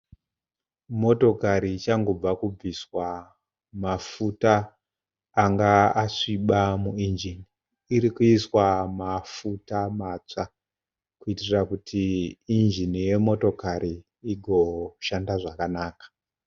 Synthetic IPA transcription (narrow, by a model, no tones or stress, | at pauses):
mo̞to̞kaɾit͡ʃaŋɡo̞b͡vakub͡viswa | mafutaː | ŋɡaaʂiɓamuind͡ʒiniː | ɾikuiswamafutamaːt͡ʂa | kuitirakutʰiːnd͡ʒinije̞mo̞to̞kaɾi | iɡʱoʃandaʐakanaːkḁ